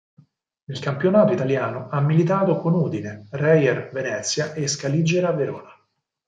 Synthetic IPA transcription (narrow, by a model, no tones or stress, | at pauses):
nelkampjonaːt̪oit̪aljaːnoamːilit̪aːt̪okonuːd̪inerɛjɛrvenɛt̪sːjaʔeskalid͡ʒːeɾaveɾɔ̰ːna